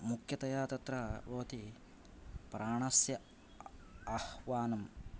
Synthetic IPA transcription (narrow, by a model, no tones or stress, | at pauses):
mukʰjɐt̪ɐjaːt̪ɐt̪ɾɐboːt̪i | pɾaːɳɐsjɐ | ɐhʋaːnɐm